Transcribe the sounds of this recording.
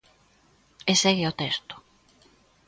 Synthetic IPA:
esɛɣɪot̪ɛst̪ʊ̥

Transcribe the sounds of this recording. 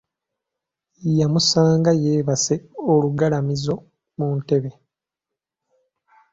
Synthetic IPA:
jamusaːŋɡaje̞ːβase̞oluɡalamizo̞ | munte̞βe̞

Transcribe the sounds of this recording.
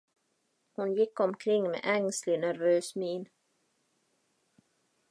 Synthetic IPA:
hʊnjɪkːɔmkʰɾɪŋːmḛːʔɛŋslɪnæɾvøːsmiːn

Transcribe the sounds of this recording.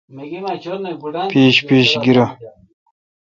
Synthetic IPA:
piːɕpiːɕɡiɾɐ

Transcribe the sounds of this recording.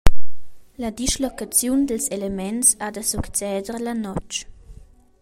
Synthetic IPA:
lad̪iʃlɔkat͡sjund̪əlselemɛnsad̪əsukt͡sɛːd̪əɾlanɔt͡ʃ

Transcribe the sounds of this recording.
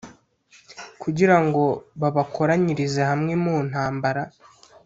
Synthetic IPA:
kʰuɟiɾaŋɡo̞βaβakʰo̞ɾaɲiɾizehamŋemun̥haːmbaɾa

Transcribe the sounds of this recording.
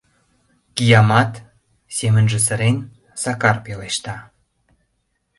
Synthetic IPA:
kijɑmɑt̪ | semənʒə̆s̬əɾen | sɑkɑrpeleʃt̪ɑ

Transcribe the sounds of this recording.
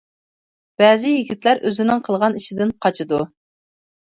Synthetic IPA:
b̥ɛːzɪjiɡʲit̪læɾʔøzɪnɪŋqʰəlˠʁɑniʃid̪ɪnqʰɑt͡ʃʰɨd̪u

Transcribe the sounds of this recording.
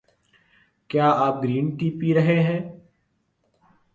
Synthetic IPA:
kjaːaːp̚ɡɾiːnʈiːpiːɾəɦẽːɦɛ̃ː

